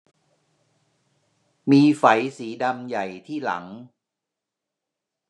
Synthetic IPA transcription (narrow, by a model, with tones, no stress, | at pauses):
miː˧fa˩˦jsiː˩˦da˧mja˨˩jt̪ʰiː˥˩la̰˩˦ŋ